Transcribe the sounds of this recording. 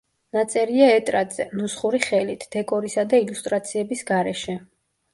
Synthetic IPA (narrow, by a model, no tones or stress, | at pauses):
nat̪sʼɛɾiaɛt̪ʼɾad̪z̥ɛnusχuɾiχɛlit̪ʰd̪̥ɛkʼɔɾisad̪ailust̪ʼɾat̪sʰiɛbisɡaɾɛʃɛ